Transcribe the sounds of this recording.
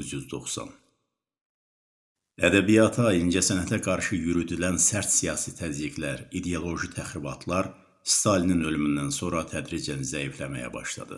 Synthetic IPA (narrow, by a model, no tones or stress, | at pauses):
zjyzd̪o̞̰χsɑ̰n | æd̪æbijɑt̪ʰɑind͡ʒæsænæt̪ʰæɡɑɾʃɯjyɾyd̪ylænsæɾt̪sijɑːsit̪ʰæzjiɡlæɾid̪eolˠo̞ʒit̪ʰæxɾibɑt̪ʰlˠɑɾ | st̪ʰɑlininø̞lymynd̪ænso̞ɾɑt̪ʰæd̪ɾid͡ʒænizæiflæmæ̰jæ̰bɑ̰ʃlˠɑ̰d̪ɯ̰